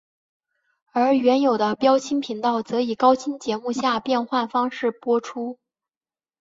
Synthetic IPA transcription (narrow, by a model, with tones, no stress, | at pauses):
ə˞˧˥ɥɛ˧˥njo˨˩ʊd̪ə˦pjɑ˥ʊt͡ɕʰi˥npʰi˧˥ŋt̪ɑ˥˩ʊt͡sɤ˧˥i˨˩kɑ˥ʊt͡ɕʰi˥nt͡ɕjɛ˧˥mu˥˧ɕja˥˧pjɛ˥˧nxwa˥˩nfɑ˥ŋʂɻ̩˥˩pwɔ˥ʈ͡ʂʰu˥